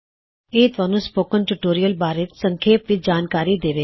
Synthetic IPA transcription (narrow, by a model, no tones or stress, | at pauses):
eːt̪ʋaːnũːspoːkənʈuʈoːɾijəlbaːɾət̪səŋkʰeːpʋɪt͡ʃd͡ʒaːnkaːɾiːd̪eːʋeː